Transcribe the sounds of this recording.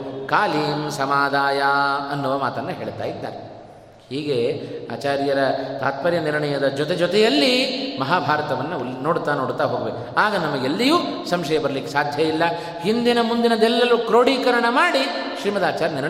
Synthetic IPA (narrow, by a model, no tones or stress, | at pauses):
kaːliːmsɐmaːd̪ʱaːjaɐnːuʋɐmaːt̪ɐnːɐɦe̞ːɭt̪a̰ːjid̪ːa̰ːɾe | hiːɡe̞a̰ːt͡ʃaːɾijɐɾɐt̪aːt̪pɐɾjɐniɾɐɳɐjɐd̪ɐd͡ʒɔt̪ed͡ʒɔt̪ɛjɐlːimɐɦaːbʱaːɾɐt̪ɐʋɐnːɐno̞ːɽut̪ːaːnoːɽut̪ːaːɦoːɡɐʋe | aːɡɐnɐmːɐɡelːijuː | sɐmʂɐjɐbɐɾɐlikːesaːd̪ʱjɐjilːɐ | hind̪inɐmund̪inɐd̪ɛlːɐlukɾoːɽiːkɐɾɐɳɐmaːɽiʃɾiːmɐd̪aːt͡ʃaːɾjɐniɾɳ